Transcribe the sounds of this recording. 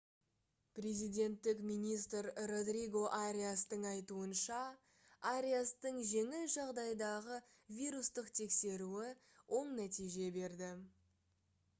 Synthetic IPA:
pre̞zijd̪e̞nt̪ːɪkmʲijnist̪rro̞d̪riɡo̞ʔaɾʲijast̪əɴɑjt̪uənʃɑ | aɾʲijast̪əɴʒe̞ŋɪlʒɑʁd̪ɑjd̪ɑʁə | vʲijɾust̪əqt̪ʰe̞kse̞ɾuɪ | wʔo̞ɴnæt̪ijʒe̞be̞ɾd̪ɪ

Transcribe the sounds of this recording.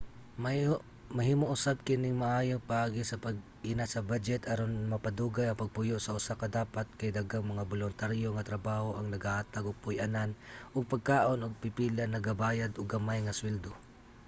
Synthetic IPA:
ma | mɐhiːmoʔʊsab̚kɪnɪŋmɐʔaːjopɐʔaːɡɪsɐpɐɡ̚ | ʔɪnasɐbad͡ʒɛt̪ʰɐɾonmɐpɐd̪uːɡajɐŋpɐɡ̚pʊjoʔsɐʔʊsakɐd̪aːpat̪̚kɐjd̪aɡaŋmɐŋabolʊnt̪aɾjoŋɐt̪ɾɐbaːho̞ʔɐŋnɐɡaʔat̪aɡoɡ̚pʊjʔananʔoɡ̚pɐɡ̚kaːʔonʔʊɡ̚pɪpilanːɐɡɐbaːjad̪ʔoɡɐmajŋɐswɛld̪o

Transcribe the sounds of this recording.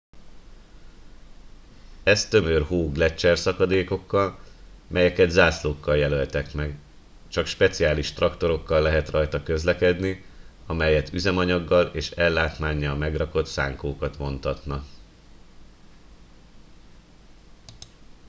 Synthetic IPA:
ɛst̪ø̞mørɦoːɡlɛt͡ʃːɛrsɒkɒd̪eːko̞kːɒlmʔɛjɛkɛd̪zaːsloːkːɒljɛlølt̪ɛkmɛɡ | t͡ʃɒkʃpɛt̪sijaːliʃt̪rɒkt̪o̞ɾo̞kːɒlːɛɦɛt̪rɒjt̪ɒkø̞zlɛkɛd̪ni | ɒmɛjɛt̪ʰyzɛmɒɲɒɡːɒleːʃɛlːaːt̪maːɲːɒlmɛɡrɒko̞t̪saːŋkoːkɒt̪mo̞nt̪ɒt̪nɒ

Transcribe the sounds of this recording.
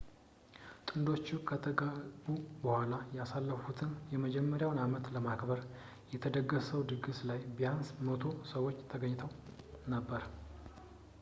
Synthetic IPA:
t̪ʼɨnd̪o̞t͡ʃːukʰət̪ʰəɡabubəhʷalajɛasalːəfut̪ʰɨnjɛməd͡ʒɛmːəɾjawnamət̪ləmakbəɾ | jɛt̪ʰəd̪əɡːəsəwd̪ɨɡɨslajbijansmət̪ʰo̞səwːot͡ʃːt̪ʰəɡəɲːɪt̪ʰəw | nəbːəɾ

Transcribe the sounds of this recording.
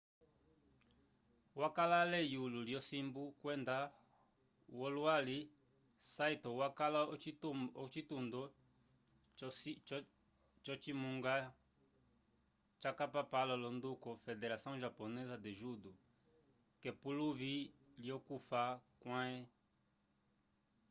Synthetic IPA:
wakalalɛjululjɔsimbukwɛnda | wɔlwali | saitɔwakalat͡ʃitundɔ | t͡ʃɔt͡ʃimũŋɡa | t͡ʃakapapalɔlɔnd̪ukɔfɛdɛɾasɔ̃ʒapɔnɛzad̪ɛʒudu | kɛpuluviljɔkufakwãɛ

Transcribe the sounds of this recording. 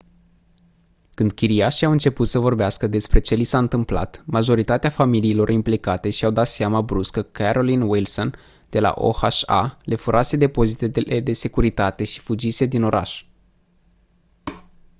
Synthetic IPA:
kɨnd̪̚kʲiɾiaʃiawɨnt͡ʃe̞put̪səvo̞rbeaskəd̪e̞spɾe̞t͡ʃe̞lisaɨnt̪ɨmpla̰t̪maʒo̞ɾit̪at̪eafamiliːlo̞rimplikat̪e̞ʃiawd̪at̪seamabɾuskəkʰaɾo̞linwilso̞n | d̪̥e̞la̰ʔo̞̰haʃa̰le̞fuɾʔase̞d̪e̞po̞zit̪e̞eed̪e̞se̞kuɾit̪at̪e̞ʃi̥fud͡ʒise̞d̪ino̞ɾa̰ʃ

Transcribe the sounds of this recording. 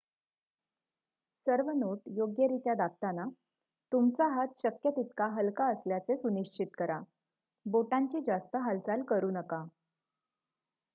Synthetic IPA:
səɾʋənoʈjoɡjəɾit̪jad̪akt̪ana | t̪umt͡saɦat̪ɕəkjət̪it̪kaɦəlkaəsljat͡sesuniɕt͡ɕit̪kəɾa | boʈãɲt͡ɕiːd͡ʑast̪əɦalt͡salkəɾuːnəka

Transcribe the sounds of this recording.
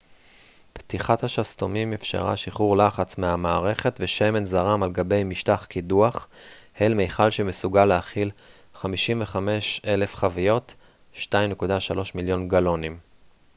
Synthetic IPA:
pt̪iχathaʃast̪omimifʃa̰ʁa̰ʃiχuʁlaχat͡smeamaːʁe̞χe̞t̪veʃeme̞nzaʁamalɡabe̞jmiʃtaχkiduaχhejlmejχalʃemesuɡaleaχil | χamiʃimveχame̞ʃe̞le̞fχavijo̞t | ʃtajmne̞kudaʃalo̞ʃmiljo̞nɡalo̞nim

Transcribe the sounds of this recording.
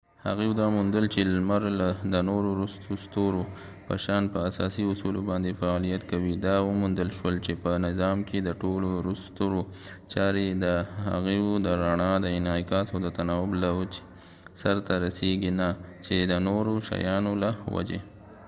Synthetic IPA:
ha̰ɣewud̪ɑmund̪əlt͡ʃelmaɾlad̪ənoɾoɾʊst̪ost̪oɾo | pə̰ʃɑnpəasɑsiʊsulobɑnd̪efaɑlijat̪kawid̪ɑwəmund̪əlʃwəlt͡ʃepənɪzɑmked̪əʈoloɾust̪oɾot͡ʃɑɾed̪əha̰ɣeud̪əɾaɳɑd̪əɪnɑjkɑsawd̪ət̪anɑwʊblawət͡ʃ | saɾt̪aɾaseɡinat͡ʃed̪ənoɾoʃa̰jɑnolawa̰d͡ʒḛ

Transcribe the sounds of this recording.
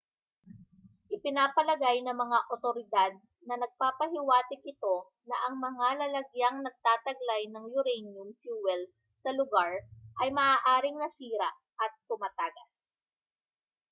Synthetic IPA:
ʔɪpɪnaːpɐlɐɡajnɐŋmɐŋaʔot̪oɾɪd̪ad̪̚ | nɐnɐɡ̚paːpɐɦɪwaːt̪ɪk̚ʔɪt̪o̞ | nɐʔɐŋmɐŋalɐlɐɡjaŋnɐɡ̚t̪aːt̪ɐɡlajnɐŋjʊɾɛjnjʊmfjuːwɛl | sɐlʊɡaɹʔɐjmɐʔaːʔaːɾɪŋnɐsiːɾɐ | ʔɐt̪̚pʊmaːt̪aːɡɐs

